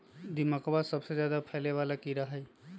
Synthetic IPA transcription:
d̪imakbasəbsed͡ʒjad̪apʰɛleʋalakiɾaɦɛj

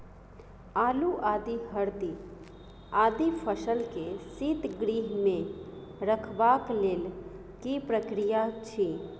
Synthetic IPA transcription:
aːluʔaːd̪iɦɐɾd̪i | aːd̪ipʰəʃəlkesit̪ɡɾiːɦmẽɾəkʰʋaːkleːl | kipɾəkɾijat͡ʃʰi

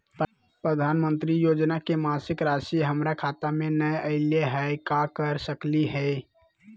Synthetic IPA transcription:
pɾəd̪ʱanmənt̪ɾijod͡ʒnakemasɪkɾasiɦəmɾakʰat̪amenəjəɪleɦəjkakəɾsəkliɦə

